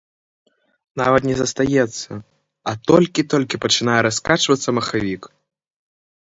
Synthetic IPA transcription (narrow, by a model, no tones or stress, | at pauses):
navɐt̪nʲɛzɐst̪ajɛt̪sːɐ | ɐt̪ɔlʲkʲit̪ɔlʲkʲipɐt͡ʂɨnajɛɾaskat͡ʂvɐt̪sːɐmɐxavʲik